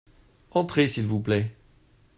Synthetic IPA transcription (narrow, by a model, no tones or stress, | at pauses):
ɑ̃t̪χesilvuplɛ